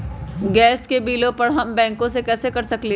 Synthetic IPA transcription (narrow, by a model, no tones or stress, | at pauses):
ɡɛːskebiːlõpɐɾɦɐmbɛ̃ːŋkõsekɛːsekɐɾsɐkle